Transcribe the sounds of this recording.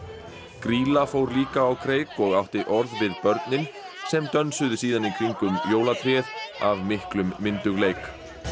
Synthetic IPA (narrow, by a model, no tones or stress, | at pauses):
kɾiːlafowɾliːkaːwkʰɾeːjkɔɣawht̪ɪʔɔɾðvɪðpœɾt̪nɪn | sɛmt̪œnsʏðʏsiːðanikʰiŋkʏmjoːwlat̪ʰɾjɛðavmɪhklʏmːɪnt̪ʏɣlejk